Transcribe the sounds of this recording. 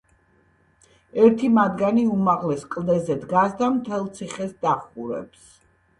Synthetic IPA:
ɛɾt̪ʰimad̪ɡaniumaʁlɛskʼlˠd̪ɛzɛd̪ɡasd̪amt̪ʰɛlˠt̪sʰiχɛsd̪aχuɾɛ̰ps

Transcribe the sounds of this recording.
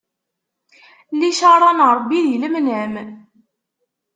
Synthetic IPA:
liʃɑɾˤɑnɾˤbːiðiləmənʕmən

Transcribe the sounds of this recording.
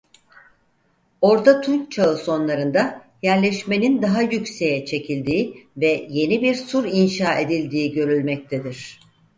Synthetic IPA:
o̞ɾt̪at̪ʰunt͡ʃʰaɯso̞nlˠaɾɯnd̪a | jæɾlʲɛʃme̞nind̪aɦajycse̞jɛt͡ʃʰe̞cʰilʲd̪iːvɛje̞nibiɾsuɾinʃaːe̞d̪ilʲd̪iːɟø̞ɾylʲmɛc̚t̪ʰed̪iɾ̝̥

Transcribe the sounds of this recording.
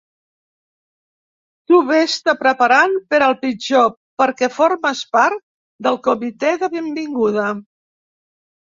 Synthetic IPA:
t̪uβest̪apɾəpaɾanpəɾəlˠpid͡ʒo | pəɾkɛfoɾməspaɾt̪̚ | d̪əlˠkumit̪ɛðəβembiŋɡuð̞ə

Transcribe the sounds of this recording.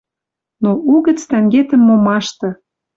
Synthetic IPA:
nouɣə̆t͡st̪æŋɡet̪ə̆mːomɑʃt̪ɤ̆

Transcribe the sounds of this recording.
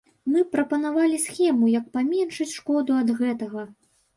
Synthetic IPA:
mɨpɾɐpɐnavalʲisxʲɛmujɐk̚pamʲɛnʂɨt͡sʲʂkɔd̪uɐd̪ɣɛt̪ɐɣɐ

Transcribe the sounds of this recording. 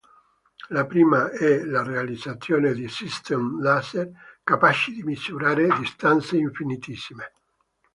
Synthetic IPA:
lapɾiːmaɛlarealid̪zat̪sːjoːned̪isist̪ɛmlaserkapat͡ʃid̪imisuɾaːɾed̪ist̪ant̪seiɱfinit̪isːime

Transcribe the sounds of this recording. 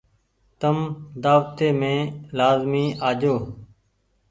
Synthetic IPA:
t̪əmd̪aːʋt̪eːmẽːlaːzmiːʔaːd͡ʒoː

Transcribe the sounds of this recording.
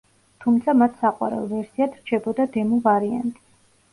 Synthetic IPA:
t̪ʰumt̪sʰamat̪ʰsaqʼwa̰ɾɛ̰lˠvɛɾsiat̪ʰɾ̥t͡ʃʰɛbɔd̪ad̪ɛmuvaɾia̰nt̪ʼi

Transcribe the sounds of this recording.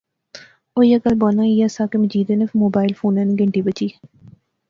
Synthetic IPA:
oːjakəlbɔːnãːijasaːkeməd͡ʒiːd̪enefʰmoːbaːɪlfʰoːnɛːniɡəɳʈiːbət͡ʃiː

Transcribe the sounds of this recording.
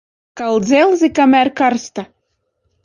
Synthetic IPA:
kɑlzelzikɑmærkɑrst̪ɑ

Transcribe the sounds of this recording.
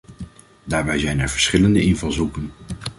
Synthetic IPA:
daːɹbɛjzɛjnɛɹv̥əɹsχɪləndəʔɪnvɑlˠzukən

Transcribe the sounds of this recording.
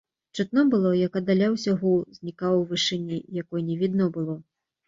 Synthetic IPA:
t͡ʂɨt̪nɔbɨlˠɔjakɐd̪alʲawsʲaɦɔwzʲnʲikawwvɨʂɨnʲːijakɔjnʲɛvʲid̪nɔbɨlˠɔ

